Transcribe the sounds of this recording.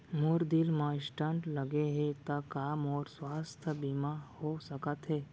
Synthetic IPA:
mʊɾd̪ɪlmãɪsʈə̃ɳʈləɡeɦɛt̪akaːmɔːɾswaːst̪ʰəbimahosəkət̪ɦɛː

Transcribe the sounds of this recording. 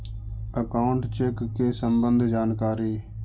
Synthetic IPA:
əkaʊɳʈt͡ʃeːkːeːsəmbənd̪ʱd͡ʒaːnkaːɾiː

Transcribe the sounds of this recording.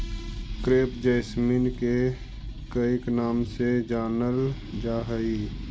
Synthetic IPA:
kɾeːpd͡ʒɛːsmiːnke | kəɪknaːmsed͡ʒaːnəl | d͡ʒaːɦəi

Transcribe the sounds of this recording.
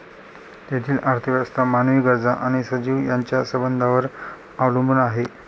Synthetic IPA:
t̪et̪ʰiːlʔaɾt̪ʰiʋast̪ʰamanʋiːɡəɾd͡zaʔaɽ̃isəd͡ʑiːʋjaɲt͡ɕjasəbənd̪ʱaʋəɾ | aʋləmbunaɦe

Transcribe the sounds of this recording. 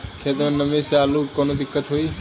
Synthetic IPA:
kʰeːt̪əmẽnːəmeseaːlukoːnod̪ɪkːət̪ɦoiː

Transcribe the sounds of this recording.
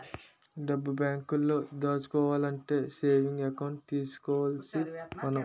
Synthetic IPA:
ɖɐbːubjaːŋkulːo̞ːd̪aːt͡ʃu̥kɔːʋaːlɐɳʈe̞ːseːʋiŋɡɐkɐwɳʈ̚t̪iːsu̥kɔːʋalsimɐnɐ

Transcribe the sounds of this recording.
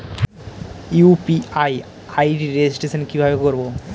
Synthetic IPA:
upiaj | ajʈiɾed͡ʑisʈesʰonkibʱabekoɾbo

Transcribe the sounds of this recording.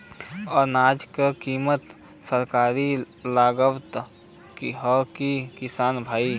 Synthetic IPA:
ɔːɾnaːd͡ʒkekiːmət̪ | səɾkaːɾi | laːɡəbt̪ | kiɦəkikɪsaːnbʱaːi

